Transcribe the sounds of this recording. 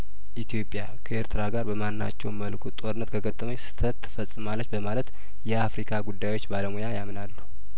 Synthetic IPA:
ʔit̪ʰijo̞pʼja̰kʰəeɾt̪ʰɨɾaɡaɾbəmanːa̰t͡ʃːɛwməlkʰut̪ʼo̞ɾɨnːət̪kʰəɡət̪ʼːəməɲsɨ̥t̪ʰət̪ʰːɨ̥fəsʼːɨmalːət͡ʃbəmalət̪ | jɛafɾikʰaɡud̪ːajwo̞t͡ʃːbaləmojajamnalːuhu

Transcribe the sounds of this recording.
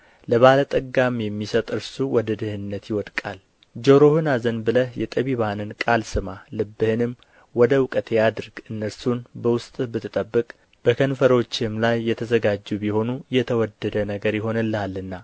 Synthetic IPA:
ləβalət̪ʼəɡamjɛmːisət̪ʼɨɾsuwɔd̪əd̪ɨhɨnːət̪jɪwɔd̪kʼal | d͡ʒo̞ɾo̞hɨnazənbɨləhjɛt̪ʼəβiβanɨnkʼalsɨmalɨbːɨhɨnɨm | wɔd̪əwkʼət̪ʰejad̪ɨɾɡɨnːəɾsunbəwʊst̪ʼbɨt̪ʰːɨt̪ʼəbːɨkʼ | b̥əkʰənfəɾo̞t͡ʃːɪmlajːɛt̪ʰəzəɡad͡ʒːubiho̞nujɛt̪ʰəwɔd̪ːəd̪ənəɡəɾjɪɦo̞nɨlːalːɨnːa

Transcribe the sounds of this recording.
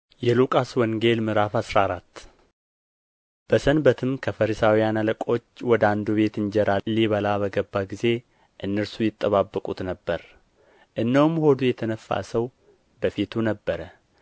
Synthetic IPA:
jɛlukʼaswɔŋɡe̞lmɨɾafasɾaːɾat̪ː | b̥əsənbət̪ʰɨmkʰəfəɾisawijanaləkʼo̞t͡ʃːwɔd̪and̪uβe̞t̪ɨɲd͡ʒɛɾalːiβəlaβəɡəbːaɡize̞ | ʔɨnːəɾsujɪt̪ʼːəβabːəkʼut̪nəbːəɾ | ʔɨnːəwumhod̪ujɛt̪ʰənəfːa̰səw | bəfit̪ʰunəbːəɾə

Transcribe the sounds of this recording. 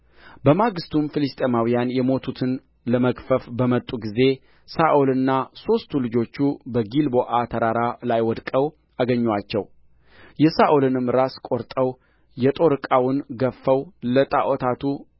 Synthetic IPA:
bəmaɡɨst̪ʰumfɨlɨst̪ʼemawijanjɛmo̞t̪ʰut̪ʰɨn | ləməkfəfbəmət̪ʼːuɡize̞ | saʔulɨnːaso̞st̪ʰulɨd͡ʒo̞t͡ʃːubəɡilboʔat̪ʰəɾaɾalajwɔd̪kʼəw | ʔaɡəɲːwat͡ʃːɛw | jɛsaʔulɨnɨmɾaskʼo̞ɾt̪ʼəw | jɛt̪ʼo̞ɾɨkʼawʊnɡəfːəwlət̪ʼaʔot̪ʰat̪ʰu

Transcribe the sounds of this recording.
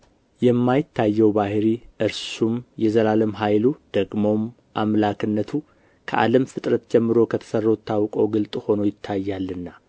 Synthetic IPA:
jɛmːajɪt̪ʰːajːɛwbahɾiʔɨɾsumjɛzəlaləmɦajlud̪̥əɡmo̞m | ʔamlakʰɨnːət̪ʰu | kʰə̰ʔa̰ləmfɨt̪ʼɾət̪d͡ʒɛmːɨɾo̞kʰət̪ʰə̥sərːot̪ʰːawkʼowɡɨlt̪ʼho̞no̞jɪt̪ʰːajːalːɨnːa

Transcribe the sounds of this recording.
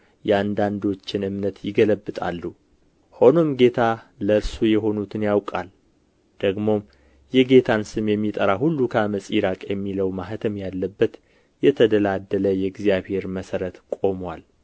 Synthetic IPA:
jɛand̪and̪o̞t͡ʃːɪnɨmnət̪jɪɡələbːɨt̪ʼa̰lːu | ho̞no̞mɡe̞t̪ʰaləɨɾsujɛɦo̞nut̪ʰɨnjawkʼa̰l | d̪̥əɡmo̞ | jɛɡe̞t̪ʰansɨmjɛmːit̪ʼəɾahulːukʰaməsʼiɾakʼjɛmːiləwmaɦt̪ʰəmjalːəbːət̪ | jɛt̪ʰəd̪əlad̪ːələjɛɡzjaβhe̞ɾməsəɾət̪kʼo̞mwal

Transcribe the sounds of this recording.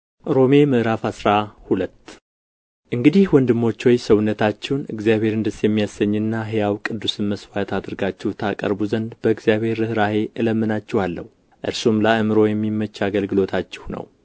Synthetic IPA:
ɾo̞me̞mɨʔɾafasɾahulət̪ː | ʔɨŋɡɨd̪ihwɔnd̪ɨmːo̞t͡ʃːwojsəwnːət̪ʰat͡ʃːɛwnɨ̰ɡzijaβhe̞ɾɨnd̪ɨsjɛmːijasəɲːɨnːaɦejawkʼɨd̪ːusɨnməswat̪ʰad̪ɨɾɡat͡ʃːɛht̪ʰakʼə̰ɾbuzənd̪bəɨɡzjaβhe̞ɾɨhɾahe̞ʔɨləmːɨnat͡ʃːɛhalːə̰h | ʔɨɾsumlaɨmɨɾo̞jɛmːimːət͡ʃːaɡəlɡɨlo̞t̪ʰat͡ʃːɪhnə̰w

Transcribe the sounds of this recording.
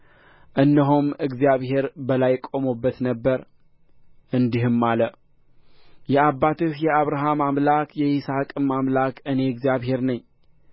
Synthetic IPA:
ʔɨnːəɦomɨɡzjaβhe̞ɾbəlajkʼo̞mubːət̪nəbːəɾ | ʔɨnd̪ihɨmːalə | jɛabːat̪ʰɨhjɛaβɾaɦamamlakʰjɛʔisakʼɨmamlakʰɨne̞ɨɡzijaβhe̞ɾnəɲː

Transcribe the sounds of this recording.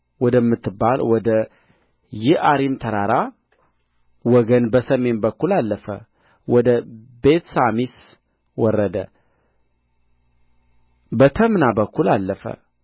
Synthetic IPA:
wɔd̪əmːɨt̪ːɨbːalwɔd̪ə | jɪhaɾimt̪ʰəɾaɾa | wɔɡənbəsəme̞nbəkːulalːəfə̰ | wɔd̪əbe̞t̪samis | wɔrːəd̪ə̰ | bət̪ʰəmnabəkːulalːəfə̰

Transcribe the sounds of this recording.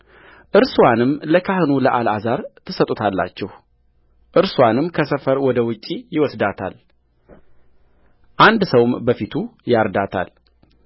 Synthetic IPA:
ʔɨɾsuwanɨmləkʰahɨnuləʔalazaɾt̪ʰɨsət̪ʼut̪ʰalːa̰t͡ʃːɛh | ʔɨɾswanɨmkʰəsəfəɾwɔd̪əwʊt͡ʃʼːijɪwɔsd̪at̪ʰa̰l | ʔand̪səwmbəfit̪ʰujaɾd̪at̪ʰa̰l

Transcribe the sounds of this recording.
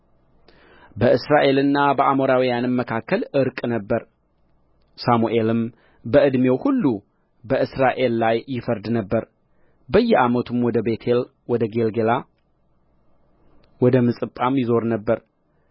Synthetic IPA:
bəɨsɾaʔe̞lɨnːabəʔamo̞ɾawijanɨmːəkʰakːəlɨɾkʼnəbːəɾ | samuʔe̞lɨm | bəʔɨd̪me̞whulːu | bəɨsɾaʔe̞lːajːɪfəɾd̪nəbːəɾ | bəjːɛʔamət̪ʰɨmwɔd̪əbe̞t̪ʰel | wɔd̪əɡe̞lɡela | wɔd̪əmɨsʼɨpʼːamjɪzo̞ɾnəbːəɾ

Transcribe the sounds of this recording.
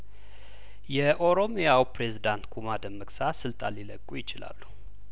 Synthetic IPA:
jɛʔo̞ɾo̞mjawpɾe̞zid̪ant̪kʰumad̪əmːəksasɨlt̪ʼa̰lːilə̰kʼːujɪt͡ʃɪla̰lːu̥

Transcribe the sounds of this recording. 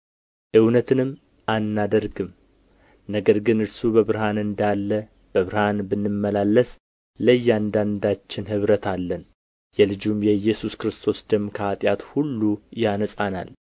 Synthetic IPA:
ʔɨwnət̪ʰɨnɨm | anːad̪əɾɡɨm | nəɡəɾɡɨnɨɾsubəβɾhanɨnd̪alːə | b̥əβɨɾhanbɨnːɨmːəlalːəs | ləjːand̪and̪at͡ʃːɪnhɨβɾət̪ʰalːən | jɛlɨd͡ʒumjɛjɛsuskɾɨst̪ʰo̞sd̪əmːkʰəat̪ʼjat̪hulːujanəsʼana̰l

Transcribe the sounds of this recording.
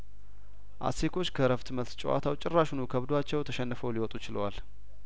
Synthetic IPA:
ʔa̰sekʰo̞t͡ʃːkʰəɾəft̪məlt̪t͡ʃʼɛwa̰t̪ʰawt͡ʃʼɪrːaʃunukʰəβd̪oat͡ʃːɛwt̪ʰəʃɛnːəfəwliwɔt̪ʼut͡ʃɪlwal

